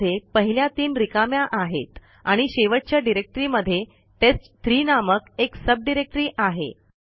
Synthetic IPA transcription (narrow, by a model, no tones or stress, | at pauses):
jepəɦiljat̪iːnɾikamjaʔaɦḛt̪ | aɽ̃iɕeʋəʈ̚t͡ɕjaɖiɾek̚ʈɾiːməd̪ʱːje | ʈet͡st̪ɾiːnaməkeksəb̚ɖiɾek̚ʈɾiːʔaɦḛ